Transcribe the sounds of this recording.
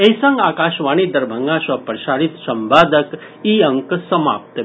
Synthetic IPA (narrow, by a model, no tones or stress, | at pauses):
ejsəŋɡaːkaʃʋañid̪ɐɾbʱəŋɡãʃʋɐpɾəʃaɽit̪sɐmbaːd̪ək | iəŋksəma̰p̚t̪